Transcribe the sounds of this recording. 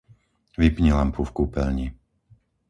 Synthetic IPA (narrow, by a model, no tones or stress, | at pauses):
ʋipɲilampufkuːpɛ̰lɲi